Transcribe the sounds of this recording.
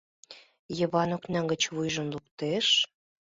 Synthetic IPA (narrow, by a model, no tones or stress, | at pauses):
jə̆βɑnoknɑŋɡə̆t͡ɕβujʒə̆nlukt̪eʃ